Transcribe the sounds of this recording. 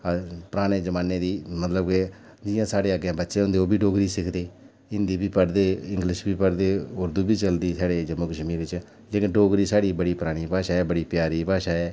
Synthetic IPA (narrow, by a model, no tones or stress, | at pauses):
pəɾaːɽeːd͡ʒəmaːneːd̪iːmət̪ləbke | d͡ʒɪjãːsaːɽeːəɡãːbətːʃẽːõːnd̪eːoːbʱiːɖoːɡɾiːsɪkʰd̪eː | ɪ̃nd̪iːbʱiːpəɽd̪eːɪ̃ŋɡlɪʃbiːpəɽd̪eːʊɾd̪uːbʱiːt͡ʃəld̪iːsaːɽeːd͡ʒəmːõːkəʃmiːɾɪt͡ʃɛː | leːkɪ̃nɖoːɡɾiːsaːɽiːbəɽiːpəɾaːɽ̃iːpaːʃaːɛːbəɽiːpjaːɾiːpaːʃaːɛː